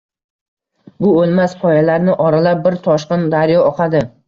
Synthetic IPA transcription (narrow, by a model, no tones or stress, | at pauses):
bʊolˠmaspʰɒjalaɾnɪʔɒɾalap̚bɪɾt̪ʰɒʃqɨnd̪aɾjɒɒqʰad̪ɪ